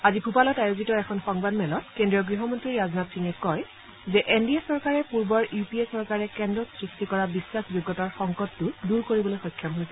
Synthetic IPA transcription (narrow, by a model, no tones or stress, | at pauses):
azipʰupalɔtajozitɔɛkʰɔnxɔŋbadmɛlɔtkendɹijɔɡɹiɦɔmɔntɹiɹaznatʰiŋɛkɔj | zɛʔendiɛsɔɹkaɹɛpuɹbɔɹjupiesɔɹkaɹɛkɛndɹɔsɹistikɔɹabisːaxʰzuɡːɔtaɹxɔŋkɔtːʊduɹkoɹibɔlojxɔjkʰːamɦojsɛ